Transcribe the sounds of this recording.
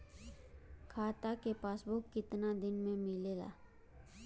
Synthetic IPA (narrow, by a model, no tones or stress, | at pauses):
kʰaːt̪akepaːsbʊkːɪt̪nad̪ɪnmẽmɪleɡa̰ː